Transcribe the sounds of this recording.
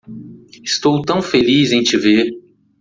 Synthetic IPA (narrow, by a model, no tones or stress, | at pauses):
ɪst̪owt̪ɐ̃w̃felizẽj̃t͡ʃɪveɾ